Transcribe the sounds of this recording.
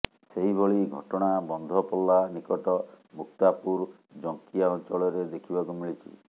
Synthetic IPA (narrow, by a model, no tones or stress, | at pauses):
seɦibʱɔɭiɡʱɔʈɔɽ̃abɔnd̪ʱɔpɔlːanikɔʈɔ | muk̚t̪apuɾ | d͡ʒɔŋkiaɔnt͡ʃɔɭɔɾed̪ekʰibakumiɭit͡ʃʰḭ